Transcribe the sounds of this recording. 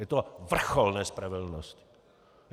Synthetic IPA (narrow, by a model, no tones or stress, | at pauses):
jɛt̪ovr̩xolnɛːspɾavɛdl̩nosc